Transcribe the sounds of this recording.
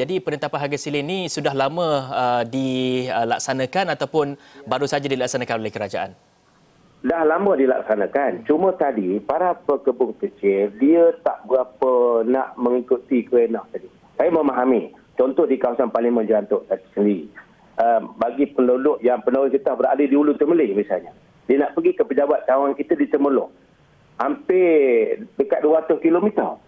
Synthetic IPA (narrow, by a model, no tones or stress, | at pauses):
d͡ʒadipənənt̪apanɦaɡasilɪnisudahlaməədiəlak̚sanãkanat̪awpʊn | baɾusad͡ʒadilaksanãkanolɛhkəɾad͡ʒaʔa̰n | dahlambədila̰k̚sanakant͡ʃumə̃t̪adipaɾapəkəbʊŋkət͡ʃɪldiət̪a̰ʔbəɾapəna̰ʔmə̃ŋikut̪ikəenaht̪adi | sajaməmaɦami | t͡ʃɔnt̪ɔhdikawasanpaliŋmə̃nd͡ʒant̪ʊʔt̪asəndiɾi | əbaɡipənodʊʔjaŋpənoʊkit̪abəɾa̰dədiulʊnt̪əməlɪhmisalɲa | diənaʔpəɡikəpəd͡ʒabat̪̚kawankit̪ədiət̪əməlʊʔ | hampɪ | dəkat̪̚duəat̪ʊskilomit̪ər